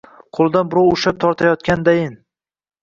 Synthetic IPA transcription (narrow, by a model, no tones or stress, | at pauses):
qʰolˠd̪anbɪɾɒwʊʃap̚t̪ʰɒɾt̪ʰajɒt̪̚kʲand̪ajɪn